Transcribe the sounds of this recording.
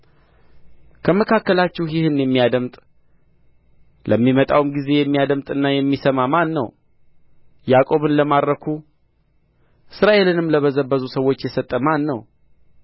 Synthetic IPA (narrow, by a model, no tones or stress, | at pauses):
kʰəməkʰakːəlat͡ʃːɛwjɪhɨnjɛmːijad̪əmt̪ʼ | lʔəmːimət̪ʼa̰wɨmɡize̞jɛmːijad̪əmt̪ʼɨnːajɛmːisəmamanːə̰w | jakʼo̞βɨnləmad̪ɾəkʰu | ʔɨsɾaʔe̞lɨnɨmləβəzəbːəzusəwːo̞t͡ʃːjɛsət̪ʼːəmanːəw